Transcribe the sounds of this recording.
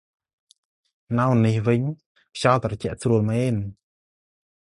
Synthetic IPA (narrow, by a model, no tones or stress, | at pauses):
nawnihʋɨɲ | pʰjalt̪rɑt͡ɕɛ̆əʔsruəlmɛːn